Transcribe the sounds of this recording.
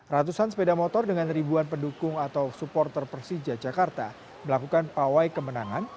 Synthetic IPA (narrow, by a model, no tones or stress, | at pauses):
rat̪usansə̥pedamɔt̪ɔrdəŋanribuanpəndukʊŋat̪awsupɔrt̪ərpərsid͡ʒad͡ʒakart̪a | məlakukanpawajkəmənaŋan